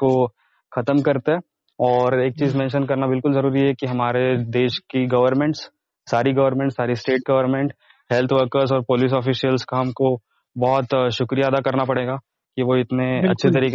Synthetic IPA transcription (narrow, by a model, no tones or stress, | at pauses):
ko | xɐt̪əmkɐɾt̪eɦɛː | ɔːɾeːk̚t͡ʃiːzmɛ̃ːnʃənk̬ɐɾnabɪlkʊlzɐɾuːɾiɦɛkiɦɐmaːɾed̪eːʃkiɡɐʋəɾmẽɳʈsː | aːɾiɡɐʋəɾmẽɳʈsaːɾisʈeːʈ̚ɡɐʋəɾmẽɳʈ | hɛlt̪ʰʋəɾkəɾzɔːɾpoːliːs̬ɔːfiːsijəlskaɦɐmko | bɔːt̪ʃʊkɾijad̪akɐɾnapɐɽeːɡaː | kiʋoɪt̪neɐ̰tːʃʰet̪ɐɾiːk